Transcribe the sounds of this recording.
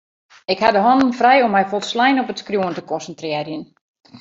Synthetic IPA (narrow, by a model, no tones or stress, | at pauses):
ɪkhadəɦɔnənfrɛjɔmːɛjfɔlˠslɛjnɔpətskrjuəntəkɔnsəntrɪərjən